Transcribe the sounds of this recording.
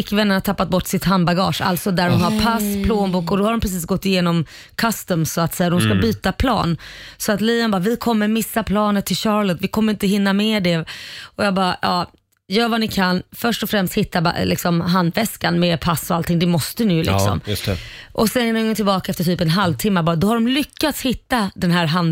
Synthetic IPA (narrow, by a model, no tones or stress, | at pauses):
ɪkːvɛnːəɳat̪ʰapːat̪̚bɔʈːsɪt̪ɦanbaɡɑ̰ːʂa̰lt̪sɔd̪æɖɔnhaɾpʰaspʰloːnbuːkɔd̪ɔhaɾɖɔmpʰɾɛs̬iːs̬ɡɔt̪ːɪjeːnɔm | kʰast̪əmsɔat̪sɛjːad̪ɔmskabyːt̪apʰlɑ̰ːnsɔat̪liːɔnbɑːvɪkʰɔmːəɾmɪsːapʰlɑːnət̪ʰːɪlɕɑːɾɭɔt̪vɪkʰɔmːəɾɪnt̪əɦɪnːamɛːd̪ɛɔjɑːɡbɑjɑ̰ː | jœːɾvanɪkʰanfœʂʈɔfɾɛmst̪hɪt̪ːab̰lɪ̰ksɔmɦand̪vɛskanmɛːpʰasːɔalt̪ʰɪŋd̪ɛmɔst̪ənʉ̟lɪ̰ksɔ̰msʔɔsɛnɛnːŋɔŋt̪ɪlbɑːkaɛft̪əʈʰyːpɛnɦalvt̪ʰɪmːaɾbɑːɾd̪ɔhaɖɔmlʏkːat̪shɪt̪ːad̪ɛnɦæːɾɦan